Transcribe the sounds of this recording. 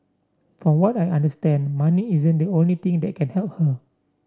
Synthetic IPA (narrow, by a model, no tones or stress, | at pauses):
fɔwɔtajãndəstɛ̃ndmaniizə̃ndiõnlit̪ĩŋdɛt̚kʰɛ̃nhɛlp̚hə